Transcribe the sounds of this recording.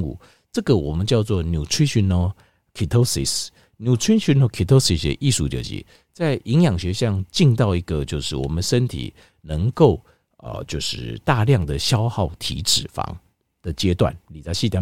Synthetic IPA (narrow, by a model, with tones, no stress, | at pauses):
ŋṵ˥˧ | ʈ͡ʂɤ˥˩ɡə˨wɔ˨˩mə˨˦nt͡ɕjɑ˥˧ʊt͡swɔ˥˨nju˨˩ʈ͡ʂʰwi˥ɕy˧˥no˧ | kʰi˨˩t̪ʰo˥sḭ˨˩s | nju˨˩ʈ͡ʂʰi˥nɕy˧˥nɔ˧˥kʰi˨˩t̪ʰo˥si˨sə̰˧ʔi˥˧ʂu˥˩t͡ɕjo̰˨˩t͡ɕḭ˧˦ | t͡sa˥˩ɪʔi˧˥ŋjɑ˨˩ŋɕɥɛ˧˦ɕjɑ˥˧ŋt͡ɕi˥˧ŋt̪̬ɑ˥˨˩ʊi˧˥ɡə˨t͡ɕjo˥˧ʊʂɻ̩˥˩wɔ̰˨˩mə˦nʂə˦nt̪ʰḭ˨˩ | nə˧˦ŋko˥˩ʊ | ə̰˨˩t͡ɕjo˥˧ʊʂɻ̩̰˥˩t̪a˥˧ljɑ˥˩ŋd̪ə˩ɕjɑ˥ʊxɑ˥˩ʊt̪ʰḭ˧˥ʈ͡ʂɻ̩˨˩fɑ̰˧˥˦ŋ | d̪̥ə˨t͡ɕjɛ˦t̪wa̰˥˨˩nli˨˩t͡sa˧˥ɕi˥˧t̪ʰa˧˥